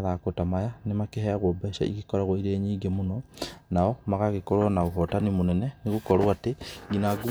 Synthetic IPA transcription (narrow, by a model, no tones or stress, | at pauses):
ðakotamajanemakeɦeaɣobeʃa̰ḭɣikoɾaɣwoiɾeːɲiːɡemonɔnaɔmaɣaɣekoɾwanaoɦotanimonɛneneɣukoɾwateinaɡu